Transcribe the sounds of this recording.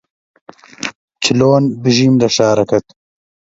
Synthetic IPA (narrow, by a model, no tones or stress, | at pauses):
t͡ɕʰiloːnbiʑiːmlɐʂaːɾɐkɐt̪